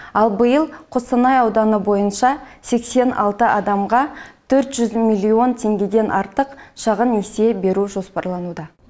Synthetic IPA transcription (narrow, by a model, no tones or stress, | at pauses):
ɑlˠbəjəlˠqʰosənɑjɑwd̪ɑnəbo̞jənʃɑse̞kse̞nʔɑ̰lˠt̪əʔɑd̪ɑmʁɑt̪ʰɵɾt̪ʒʏzmilʲːio̞nt̪ʲʰe̞ŋɡʲed̪e̞nʔɑɾt̪əqʃɑʁənːese̞be̞ɾuʒo̞spɑɾlˠɑnud̪ɑ